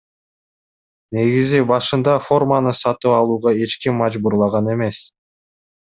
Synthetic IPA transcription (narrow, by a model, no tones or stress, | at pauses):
ne̞ɡizibɑʃɯnd̪ɑfo̞rmanɯsɑt̪ɯpɑlˠuːʁɑe̞t͡ʃkimːɑd͡ʒbuɾlˠɑʁɑne̞me̞s